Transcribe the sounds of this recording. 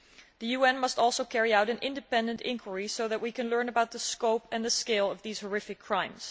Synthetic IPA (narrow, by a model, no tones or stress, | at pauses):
ðɨjʉɛ̃nmʌstɔlˠsoʊkʰɛɹiaʊɾɨ̃nʔɪ̰̃ndɨpɛ̃ndɨ̃ntɪ̰̃ŋkʰwə˞isoʊðɨt̚wikɨ̃nlɜ̃˞nəbaʊt̪̚ðəskoʊpɨ̃nðəskeɪlˠʌvðiz̥hə˞ɪfɨkʰːɹ̥ãɪ̃mz̥